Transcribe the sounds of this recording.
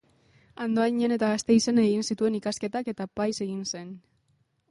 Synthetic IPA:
and̪oajɲene̞t̪aɣast̪e̞isene̞ɣinsit̪ue̞nikaske̞t̪ake̞t̪apajse̞ɣinse̞n

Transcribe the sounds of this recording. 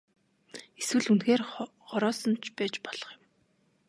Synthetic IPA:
eswɘ̆ɮunxeːr | χɔɾɔːsɞ̆nt͡ɕʰpæːt͡ɕpɔɮ̥ɞ̆χjɪ̆m

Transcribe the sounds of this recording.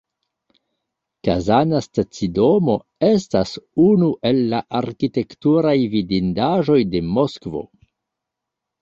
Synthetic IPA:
kazanastat͡sido̞mo̞ | e̞stasunuʔe̞lːaʔaɾkite̞ktuɾajvidindaʒo̞jde̞mo̞skvo̞̰

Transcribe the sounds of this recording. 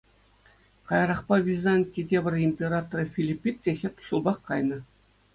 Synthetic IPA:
kɑjɑɾɑχpɑvʲizɑnʲtʲːidʲebʲɘ̆rʲimʲpʲeɾɑt̪oɾɤfʲilʲipʲːit̪̚tʲeɕʲetʲɕulˠbɑχkɑjnɤ̆

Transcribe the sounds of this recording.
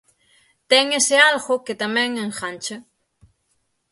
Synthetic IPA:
t̪eŋesealɣoket̪amẽŋeŋxant͡ʃa

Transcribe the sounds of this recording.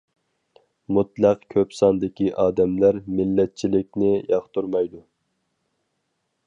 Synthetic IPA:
mut̪lˠæqkʲʰøpsɑnd̪ɪkʲiʔɑːd̪ɛmlæɾmɪlːɛt̪̚t͡ʃʰilɪk̚ʲnɪjɑχt̪uɾmɑjd̪u

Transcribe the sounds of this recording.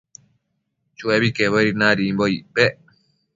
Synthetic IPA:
t͡ʃueβikeβoɾinãɾimboipe

